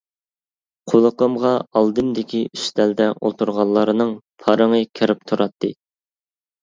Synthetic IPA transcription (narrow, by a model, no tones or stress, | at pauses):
qʰolˠəqəmʁɑɑlˠd̪ɨmd̪ɪkʲiyʃt̪ʰɛld̪ɛʔo̰lˠt̪ʰuɾʁɑlˠːɑɾɨnɨŋpʰɑɾəŋɨkʲʰeɾɪp̚t̪ʰuɾɑt̪ʰːɨ̰